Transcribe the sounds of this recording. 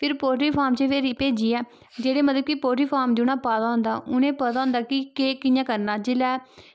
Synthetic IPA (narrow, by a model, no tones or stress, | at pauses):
pʰɪɾpoːʈɾiːpʰaːɾmt͡ʃeːʋeːɾipeːd͡ʒiːɛː | d͡ʒeːɽeːmət̪ləb̚kipoːʈɾiːpʰaːɾmd͡ʒɪːnaːpaːt̪aːɦʊ̃nd̪a̰ːʔʊnẽːpət̪aːɦʊ̃nd̪aːkɪkeːkɪjãːkəɾnaːd͡ʒɪlɛː